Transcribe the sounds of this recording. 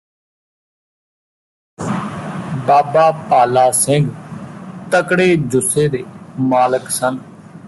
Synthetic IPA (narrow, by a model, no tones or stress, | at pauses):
baːbaːpaːlaːsɪŋɡ | t̪əkɽeːd͡ʒʊseːd̪eːmaːləksən